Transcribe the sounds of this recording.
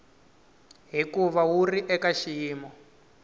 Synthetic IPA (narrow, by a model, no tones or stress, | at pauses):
ɦikuβawuriʔɛkaʃiːmɔ